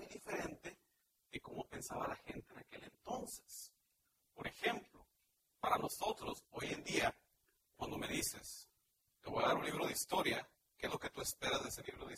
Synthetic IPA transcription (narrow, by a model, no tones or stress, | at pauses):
ujðife̞ɾe̞nt̪e̞ | ðeko̞mo̞pe̞nsaβalaxe̞nt̪enake̞le̞nt̪o̞nse̥s | po̞ɾe̞xe̞mplo̞ | paɾano̞so̞t̪ɾo̞so̞jend̪ia | kwand̪o̞me̞ðise̞s | t̪eβo̞jaðaɾunliβɾo̞ð̞eist̪o̞ɾja | kezlo̞ke̞t̪uespe̞ɾazðeseliβɾo̞ðe